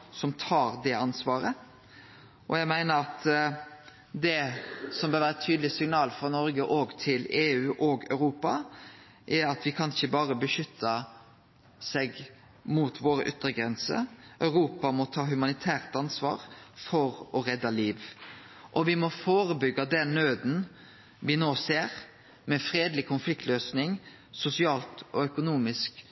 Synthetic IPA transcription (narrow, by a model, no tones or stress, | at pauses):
sɔmt̪ʰɑːɾd̪ɛɑnsʋɑːɾə | ʔɔjæɪmæɪnəɾɑt̪ | d̪ɛsɔmbøːɾʋæːɾət̪ʰyːd̪lɪsɪŋnɑːlfɾɔnɔɾɡəʔoːɡt̪ʰɪleːʉːʔɔɡœ̰ʉɾuːpɑ | ʔɛɾɑt̪ʋɪkʰɑnɪçəbɑːɾəbəʃʏt̪ʰːɑ | sɛɡ | mut̪ʰʋoːɾəʔʏt̪ɾəɡɾɛnsə̰ʔœʉɾuːpɑmɔt̪ʰɑːɦʉmɑnɪt̪ʰæːʁt̪ɑnsʋɑ̰ːɾfɔɾɔɾɛd̪ːɑliːʋ | ʔɔʋɪmɔfoːɾəbʏɡːɑd̪ɛnːøːd̪n̩ | ʋɪnoːseːɾ | mɛfɾeːd̪lɪkʰʊnflɪk̚t̪løːsnɪŋ | sʊsɪɑːlt̪ɔœkʊnuːmɪsk